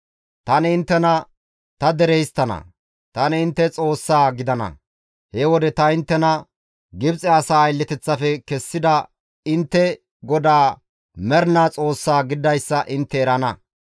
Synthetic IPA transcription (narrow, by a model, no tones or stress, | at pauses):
t̪ɐnɪɪnt̪ːɛnɐ | t̪ɐd̪ɛɾɛjst̪ːɐnɐ̰ | t̪ɐnɪɪnt̪ːɛt͡sʼo̞ːsːaːɡɪd̪ɐnɐ̰ | hɛwɔd̪ɛt̪ɐɪnt̪ːɛnɐ | ɡɪbt͡sʼɛɐsaːjlːɛt̪ɛt͡sːɐfɛkɛsːɪd̪ɐ | ɪnt̪ːɛ | ɡɔd̪aː | mɛɾnat͡sʼo̞ːsːaːɡɪd̪ɐjsːɐʔɪnt̪ːɛːɾɐnɐ